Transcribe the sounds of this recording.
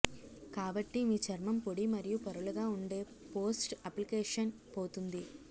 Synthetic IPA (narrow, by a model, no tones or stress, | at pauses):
kaːbɐʈːimiːt͡ʃɐɾmɐmpoɽimɐɾijupɐɾuluɡaːuɳɖe̞ː | po̞ːsʈɐplikeːʂɐn | po̞ːt̪und̪i